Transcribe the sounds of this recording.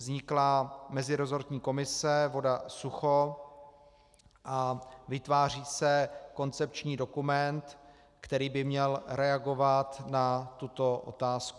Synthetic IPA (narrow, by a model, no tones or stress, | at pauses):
zɲɪklaːmɛzɪɾo̞zoɾt̪ɲiːko̞mɪsɛvo̞dasuxo | ʔavɪt̪vaːr̝iːsɛko̞nt͡sɛp̚t͡ʃɲiːdo̞kumɛnt̪ | kt̪ɛɾiːbɪmɲɛlɾɛaɡo̞vat̪nat̪ut̪o̞ʔo̞̰t̪aːsku